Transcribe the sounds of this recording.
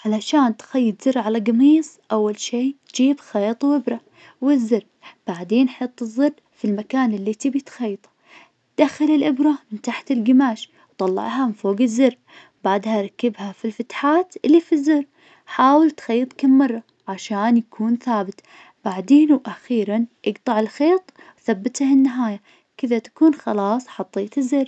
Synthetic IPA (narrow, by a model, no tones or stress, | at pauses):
ʕalaʃaːnt̪xajːɪt̪zɪɾʕalaɡɑmiːsˤʔawːalʃiːd͡ʒiːbxɑːt̪ˤwʔɪbɾˤɑ | wɪzːɪɾ | b̥aʕd̪eːnħɑt̪ˤːɨzːɨr | filmakaːnɪlːit̪iːbt̪xɑjːt̪ˤɑ̥ | d̪̥axːɪlɪlʔɪbɾˤɑmɪnt̪aħt̪ɪlɡɪmaːʃ | wt̪ˤɑlːɑ̰ʕhamɪnfoːɡɪzːɪɾ | baʕd̪haɾˤɑkːɪbhafilfat̪ħaːt̪ʔɪlːifizːʊrː | ħaːwɪlt̪xajːɨt̪ˤkamːɑrˤːɑ | ʕaʃaːnjakʰuːnθaːbɪt̪ | b̥aʕd̪eːnwʔaxiːɾanʔɪɡt̪ˤɑʕɪlxeːt̪ˤ | wθabːɪt̪ahɪnːaɦaːja | kɪðat̪ḁkuːnxɑlɑːsˤħɑt̪ˤːeːt̪ɪzːɪɾ